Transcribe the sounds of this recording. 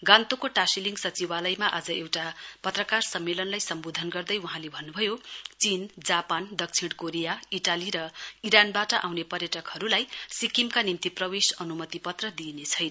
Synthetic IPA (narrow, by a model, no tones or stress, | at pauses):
ɡãnt̪okoʈasiliŋɡsʌt͡sibalʌjmaʔad͡zʌewʈapʌt̪rʌkarsʌmːelʌnlajsʌmbod̪ʱʌnɡʌrd̪ʌjuɦãlebʱʌnːubʱʌjot͡sind͡zapand̪ʌk̚t͡sʰiɽ̃koɾijaiʈaliɾʌiɾanbaʈʌʔawnepʌrjʌʈʌkhʌɾulajsikimkanimt̪iprʌwesʌnumʌt̪ipʌt̪rʌd̪inet͡sʰʌjn